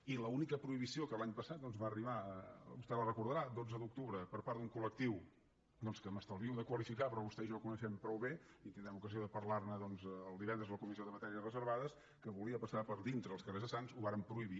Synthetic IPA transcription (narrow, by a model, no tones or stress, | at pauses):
iləunikəpɾuiβisiokəlaɲpəsat̪̚d̪ɔnzβaːriβaəbust̪ɛlərəkuɾðəɾad̪od͡zəðuk̚t̪uβɾəpəɾpaɾd̪uŋkulək̚t̪iw | d̪ɔnskəməst̪əlβiəwd̪əkwəlifikapɾɔβust̪ɛʒɔkunəʃɛmpɾɔwβeit̪ind̪ɾɛmukəzioðəpəɾlarnəðɔnzəlˠd̪iβɛnd̪ɾəzləkumiszioðəmət̪ɛɾiəzrəzəɾβaðəs | kəβuliəpəsapəɾðint̪ɾəːlˠskərezðəsanzuβaɾəmpɾuiβi